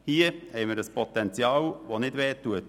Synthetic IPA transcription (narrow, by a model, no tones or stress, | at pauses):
hiəhɛɪməɾəspʰɔt̪ɛnt͡sjɑːlʋonɪdʋɛːtːuət